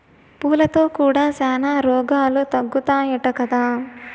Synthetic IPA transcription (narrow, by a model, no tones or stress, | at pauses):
puːlɐt̪o̞ːkuːɽaːsɛːnaːɾɔːɡaːlut̪ɐɡːut̪aːjɐʈɐkɐd̪aː